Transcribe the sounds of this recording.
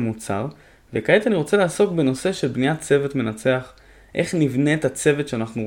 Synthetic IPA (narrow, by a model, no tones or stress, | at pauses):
mut͡sa̰ʁ | vekajet̪aniʁo̞t͡selaːso̞kbe̞no̞se̞ʃe̞lbnijat͡se̞vet̪me̞nat͡se̞aχ | ʔe̞χnivne̞ːt̪at͡se̞vetʃeanaχnu